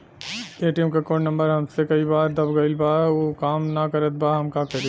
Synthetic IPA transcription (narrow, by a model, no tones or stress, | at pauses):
eːʈiɛmkakoːɳnɐ̃mbəɾɦɐmsekɐibaːɾd̪ɐbɡɐɪlbaːɾokaːmnakɐɾət̪̚baɦɐmkakɐɾe